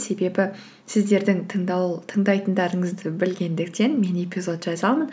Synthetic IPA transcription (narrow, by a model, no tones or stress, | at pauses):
se̞be̞bɪ | sɪzd̪e̞ɾd̪ɪŋt̪ʰt̪ʰəɴd̪ɑjt̪ənd̪ɑɾəɴəzd̪ɪbɪlɡʲe̞nd̪ɪk̚t̪e̞nme̞nepʲizo̞t̪ʒɑzɑmən